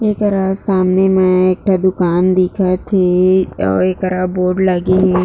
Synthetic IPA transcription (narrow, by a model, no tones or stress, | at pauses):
eːkəɾasaːmnemẽeːk̚ʈʰad̪ʊkaːnd̪iːkʰat̪ʰeɔ̰ːɾeːkəɾaboːɾɖlaɡeɦɛ̃